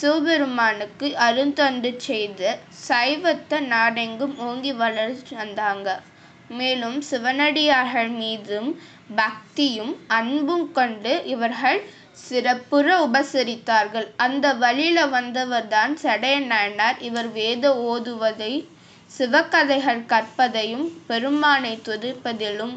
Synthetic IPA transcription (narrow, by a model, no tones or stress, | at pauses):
suʋbɛɾɯmaːnɯkːɯʔɐɾɯnd̪ɐndɯt͡ʃːɛjðɐsɐɪʋɐt̪ːɐnaːɽɐŋɡɯmoːŋɡiʋɐɭɐɾt͡ʃːʋɐnd̪aːŋɡɐ | meːlɯmsɪʋɐnɐɽɪjaːɾɣɐɭmiːðɯm | bak̚t̪ɪjɯmɐɳbɯmkɔɳɖɯʔɪʋɐɾɣɐɭ | sɪɾɐpːɯrɐʊbɐsɪɾɪt̪ːaːɾɣɐɭʔɐnd̪ɐʋɐɭɪlɐʋɐnd̪ɐʋɐɾðaːnsɛɽɐjɐnaːnaːɾɪʋɐɾʋeːðɐoːðɯʋɐðɐɪ | sɪʋɐkːɐðɐɪɣɐɭkɐrpːɐðɐjɯmpɛɾɯmaːnɐɪt̪ːɔðɪɾpːɐðɪlɯm